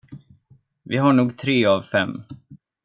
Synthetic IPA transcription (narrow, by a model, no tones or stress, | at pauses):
vɪɦaɳuːɡt̪ʰɾeːavfɛmː